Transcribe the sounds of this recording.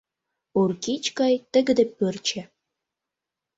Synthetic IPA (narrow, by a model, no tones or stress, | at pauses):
urkit͡ɕkɑjt̪ə̆ɡɘ̆d̪ĕpørt͡ɕĕ